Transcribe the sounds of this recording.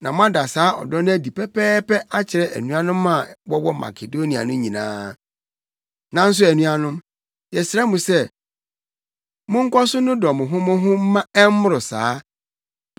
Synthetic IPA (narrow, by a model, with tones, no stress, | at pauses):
nã˨mʊ̃˦a˦da˨saː˨˦ɔ̰˨dɔ˦ñ˦æ˦di˨pʰɛ˦pʰɛː˦pɛ˦ʔa˦t͡ɕʰɪ˨ɾɛ˦ʔæ̰˨nũ˦a˦nʊ̃˦mːã˦˨wɔ˦wɔ˦ma̰˨kʰe˨do˦nĩ˨a̰˨nʊ̃˦ɲĩ˨nã̰ː˦ | nã˨n̩˦s̬ʊ˦æ˨nũ˦a˦nʊ̃˦m | jɛ˨sɾɛ˦mũ˨sɛ˦ | mʊ̃˦ŋ̩˦kɔ˦sʊ˦nʊ̃˦dɔ˨mʊ̃˨ɦʊ̃˦mʊ̃˦ɦʊ̃˦m̩˦mã˦ɛ˦m˦mʊ˦ɾʊ˨saː˨˦